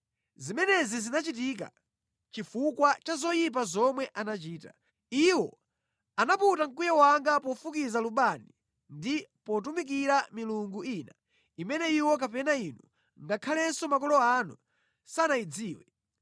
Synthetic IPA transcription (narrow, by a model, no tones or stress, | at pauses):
zimɛnɛzizinat͡ʃit̬ik̬a̰ | t͡ʃifukwat͡ʃazɔjip̬azɔmwɛʔanat͡ʃiːta̰ | iwɔ | anaputaŋkujɛwaŋɡapɔfukizaluɓani | ndipɔt̬umik̬iɾamiluŋɡuina | imɛnɛiwɔk̬apɛnainu | ŋɡakʰalɛsɔmakɔlɔanṵ | sanaid͡ziːwɛ